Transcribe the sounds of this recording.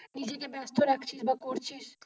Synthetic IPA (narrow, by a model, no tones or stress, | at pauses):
nid͡ʒekebast̪ʰoɾakʰt͡ʃʰisbəkoɾt͡ʃʰis